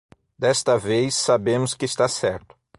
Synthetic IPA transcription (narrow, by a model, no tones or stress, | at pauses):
d̪ɛst̪ɐvejsːabẽmʊskɪːst̪asɛɾt̪ʊ̥